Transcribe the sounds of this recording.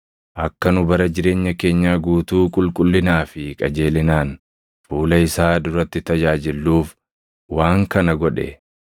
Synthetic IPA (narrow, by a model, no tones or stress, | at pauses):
ʔɐkːɐnʊbɐɾɐd͡ʒɪɾe̞ːɲːɐke̞ːɲːaːɡuːt̪uːkʼʊlkʼʊlːɪnaːfɪkʼɐd͡ʒe̞ːlɪnaːn | fuːlɐɪsaːd̪ʊɾɐt̪ːɪt̪ɐd͡ʒaːd͡ʒɪlːuːf | waːŋkɐnɐɡɔᶑɛ̰